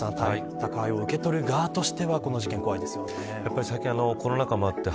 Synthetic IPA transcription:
ãnt̪a | t̪akaio̞ɯ̟ke̞t̪o̞ɾɯ̟ɡaːt̪o̞ɕi̥t̪e̞βako̞no̞ʑikẽ̞ŋko̞βaid̪e̞sɨ̥jo̞nejapːaɾʲisaikʲĩano̞ko̞no̞nakamoat̪ːe̞

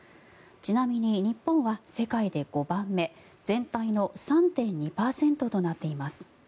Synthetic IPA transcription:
t͡ɕinamʲiɲ̟iɲ̟ipːõ̞ɰ̃βase̞kaid̪e̞ɡ̥o̞bãmːe̞ | d͡zẽ̞nt̪aino̞sãnt̪ẽ̞ɲ̟ɲipaːsẽ̞nt̪o̞t̪o̞nat̪ːe̞imasɨ̥

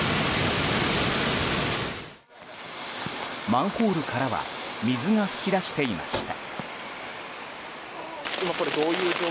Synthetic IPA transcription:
mãɰ̃ho̞ːɾɯ̟kʰaɾaβa̰mʲizɨŋaɸɯ̟̥kʲiɾaɕi̥t̪e̞imʔa̰ɕi̥t̪a | imako̞ɾe̞d̪o̞ːjɯ̟ːd͡ʑoː

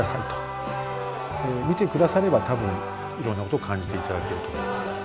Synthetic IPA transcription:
asait̪o̥ | emʲit̪e̞kɯ̟d̪asaɾe̞bat̪abɯ̟̃ŋ | iɾonːako̞t̪ooːkʰãɲ̟d͡ʑit̪e̞it̪ad̪ake̞ɾɯ̟t̪o

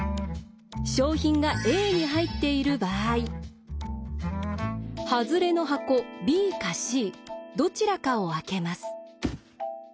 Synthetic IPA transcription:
ɕo̞ːçĩŋɡaʔe̞ːɲ̟iɦait̪ːe̞iɾɯ̟baːi | hazɨɾe̞no̞ɦako̞bʲiːkaɕiːd̪o̞t͡ɕiɾakao̞ake̞masɨ̥

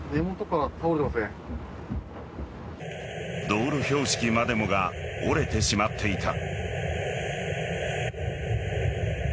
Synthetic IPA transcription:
d̪emot̪okat̪ʰaoɾet̪emasẽ | d̪o̞ːɾɯ̟ço̞ːɕi̥kʲimad̪e̞mo̞ɡaoɾe̞t̪e̞ɕimat̪ʰːe̞it̪a

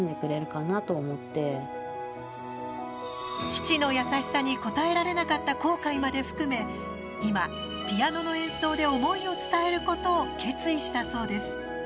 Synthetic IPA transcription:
nd̪e̞kɯ̟ɾe̞ɾɯ̟kanat̪o̞ːmo̞t̪ːe̞ | t͡ɕi̥t͡ɕino̞jasaɕi̥saɲ̟iko̞t̪ae̞ɾaɾe̞nakat̪ːako̞ːkaimad̪e̞ɸɯ̟̥kɯ̟me̞ | ima | pʲijano̞no̞ẽ̞ɰ̃so̞ːd̪e̞o̞mo̞io̞t͡sɨ̥t̪ae̞ɾɯ̟ko̞t̪o̞ːke̞t͡sɨiɕi̥t̪aso̞ːd̪e̞sɨ̥

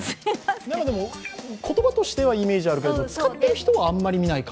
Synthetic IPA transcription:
nãŋkad̪e̞mo̞kʰo̞t̪o̞bat̪o̞ɕi̥t̪e̞βaime̞ːʑiaɾɯ̟ked̪t͡sɨ̥kat̪ːe̞ɾɯ̟çi̥t̪o̞βaːmːaɾʲimʲinaika

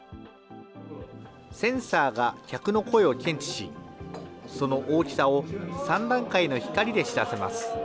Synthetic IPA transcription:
sẽ̞ɰ̃saːɡakʲakɯno̞ko̞e̞o̞kʲʰẽ̞ɲ̟t͡ɕi̥ɕi | so̞no̞ʔoːkʲi̥sao̞sãnd̪ãŋkaino̞çi̥kaɾʲid̪e̞ɕi̥d̪ase̞ma̰sɨ̥

